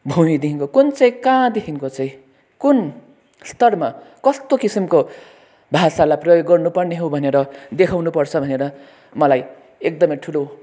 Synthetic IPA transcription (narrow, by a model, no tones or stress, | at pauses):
bʱumid̪iɦiŋkokunt͡sʌĩkãd̪ikʰiŋkot͡sʌĩ | kun | st̪ʌrmakʌst̪okisimko | bʱasalajprʌjoɡːʌrnupʌrneɦowbʱʌneɾʌd̪ekʰawnupʌrt͡sʰʌbʱʌneɾʌ | mʌlaj | ek̚d̪ʌmʌjʈʰulo